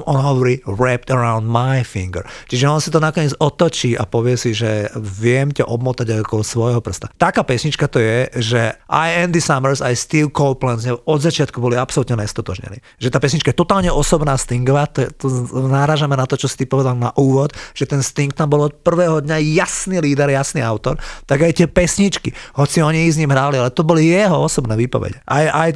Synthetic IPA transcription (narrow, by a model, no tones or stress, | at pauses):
mɔnɦɔʋɔɾiːɾɛp̚t̪ɛɾaʊnd̪majfḭŋɡə̰ɾt͡ʃiʒɛɔnsit̪ɔnakɔɲɪɛd͡zɔt̪ɔt͡ʃiːʔa̰pɔʋɪɛsiʒɛʋɪɛmcaʔɔbmɔt̪aɟaɪɔkɔɔsʋɔjɦɔpr̩st̪at̪akaːpɛsɲit͡ʃkat̪ɔjɛʒɛʔa̰jɛnd̪isamɛɾsajst̪ilkɔʊplɛnzɲɛɔd̪zat͡ʃɪat̪kubɔliapsɔlut̪ɲɛɲɛst̪ɔt̪ɔʒɲɛ̰nḭ | ʒɛt̪aːpɛsɲit͡ʃkajɛt̪ɔt̪aːlɲɛʔɔsɔbnaːst̪iŋɡɔʋat̪ɔɛt̪ɔnaɾaːʒamɛnat̪ɔt͡ʃɔsi̥t̪ipɔʋɛd̪alna̰ʔuːʋɔd̪ʒ̥ɛt̪ɛnst̪iŋk̚t̪ambɔlɔt̪̚pr̩ʋɛːɦɔd̪ɲajasniːliːd̪ɛɾjasnḭːaʊt̪ɔɾt̪aɡajt̪ɪɛpɛsɲit͡ʃkiɦɔt͡siɔɲiiɣzɲimɦɾaːlialɛt̪ɔbɔlijɛɦɔɔsɔbnɛːʋiːpɔ̰ʋɛ̰ɟɛʔajaj